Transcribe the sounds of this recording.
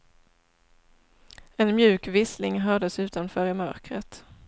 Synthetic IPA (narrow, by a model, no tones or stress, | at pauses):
ɛnmjʉ̟ːkvɪslɪŋɦœɖəsʉ̟ːt̪anfœːɾɪmœ̰ɾkɾə̰t̪